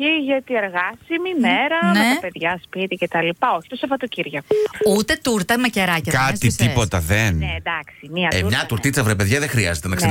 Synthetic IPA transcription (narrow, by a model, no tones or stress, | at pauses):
iʝɐt̪ieɾɣɐsimimeɾɐmnet̪ɐpe̞ðʝɐspit̪icet̪ɐlipɐoçi̥t̪osɐvɐt̪ociɾʝɐkut̪e̞t̪uɾt̪ɐmeceɾɐcɐkɐtsit̪ipo̞t̪ɐðenned̪ɐksimiɐeɲɐt̪uɾtt̪it͡sɐvɾepe̞ðʝɐðexɾiɐzet̪e̞nɐksɐ